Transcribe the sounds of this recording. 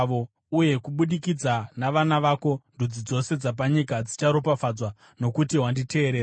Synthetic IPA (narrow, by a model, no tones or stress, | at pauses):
ʋo | uje̞kuɓuɗikid͡zanaʋanaʋaːko̞ndud͡zid͡zo̞se̞d͡zap̬aɲikad͡zit͡ʃaɾopafad͡zwa | no̞kutiɦwandite̞ːɾeːɾa